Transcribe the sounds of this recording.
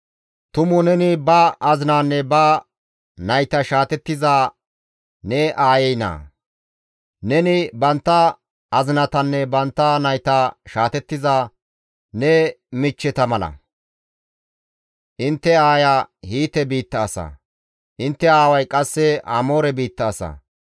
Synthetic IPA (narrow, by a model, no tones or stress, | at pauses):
t̪ʊmʊnɛnɪbɐʔɐzɪnaːnːɛbɐ | nɐjt̪ɐʃaːt̪ɛt̪ːɪzaː | nɛʔaːjɛjna̰ː | nɛnɪbɐnt̪ːɐ | ʔːzɪnɐt̪ɐnːɛbɐnt̪ːɐnɐjt̪ɐʃaːt̪ɛt̪ːɪzaː | nɛmɪt͡ʃːɛt̪ɐmɐlɐ̰ | ʔɪnt̪ːɛaːjahiːt̪ɛbiːt̪ːɐːsɐ̰ | ʔɪnt̪ːɛaːwɐjkʼɐsːɛɐ̰mo̞ːɾɛbiːt̪ːɐːsɐ̰